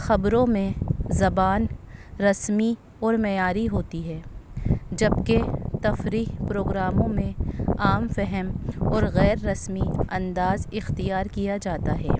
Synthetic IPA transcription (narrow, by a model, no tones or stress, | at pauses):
xɐbɾõmẽzɐbaːnɾɐsmi | ɔːɾmɛːjaːɾiɦoːt̪iɦɛː | d͡ʒɐbket̪ɐfɾiːɦpɾoːɡɾaːmõmẽaːmfɛɦɛmɔːɾɣɛːɾːɐsmiɐ̃nd̪aːzɪxt̪ijaːɾkijad͡ʒaːt̪aɦɛ̰ː